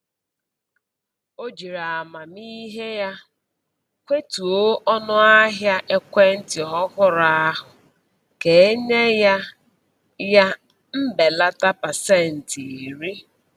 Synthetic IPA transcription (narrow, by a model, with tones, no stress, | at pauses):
o˦d͡ʒi˨ɾa˨a˨ma˨mi˦ɦe˦ja˦ | kʷe˦tu˨o˦ʔɔ˦nʊ˦a˦ɦja˦ʔe˦kʷe˦n̩˦tɪ˨ɔ˦ɣʊ˦ɾa˦a˦ɦʊ˨ | ke˨e˦ɲe˦ja˦ | ja˦ | m̩˦be˨la˦ta˦pa˨se˦˨n̩˨ti˨ɾi˦